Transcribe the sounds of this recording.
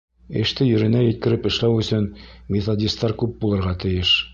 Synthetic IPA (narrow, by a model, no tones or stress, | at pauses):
ɘ̰̆ʃt̪ɘjɵ̆ɾɘ̆næjɘ̆t̪̚kɘ̆ɾɘpɘ̆ʃlæwɵ̆sɵnmʲet̪odʲist̪ːɑɾkʉp̚bulˠɤ̆ɾʁɑt̪ɘ̆jɘʃ